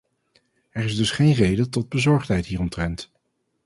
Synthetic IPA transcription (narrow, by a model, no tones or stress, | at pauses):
ɛɹɪzdɵsχejnrejdəntɔd̚bəzɔɹχtɦɛjtɦiːrɔmtrɛnt